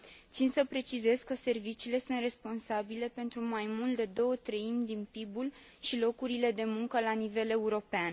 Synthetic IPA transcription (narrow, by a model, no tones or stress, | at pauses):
t̪sinsəpɾe̞t͡ʃize̞zkəse̞rvit͡ʃiːle̞sunt̪re̞spo̞nsabile̞pe̞nt̪ɾumajmult̪̚d̪e̞d̪o̞wət̪ɾəimʲd̪inpibul | ʃilo̞kuɾile̞d̪e̞muŋkəlanive̞le̞uɾo̞pean